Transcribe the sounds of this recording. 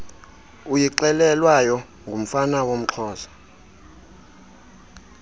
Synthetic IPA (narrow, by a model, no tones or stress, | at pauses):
ujiǀɛlɛlwajɔ | ŋɡʱum̩fanawom̩ǁʰɔːzḁ